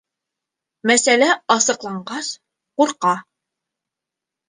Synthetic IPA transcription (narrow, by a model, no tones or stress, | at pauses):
mæsælæɑsɤ̆qlˠɑɴɢɑs | quɾqɑ